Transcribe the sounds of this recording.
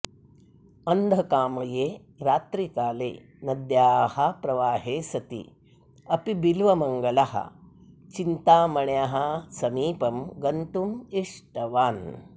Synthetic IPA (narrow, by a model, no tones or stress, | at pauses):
ɐnd̪ʱɐkaːmɐjeː | ɾaːt̪ɾikaːlḛː | nɐd̪jaːhɐpɾɐʋaːɦeːsɐt̪ḭ | ɐpibilʋɐmɐŋɡɐlɐhɐ̰t͡ʃint̪aːmɐɳjaɦɐsɐmiːpɐmɡɐnt̪umiʂʈɐʋaːn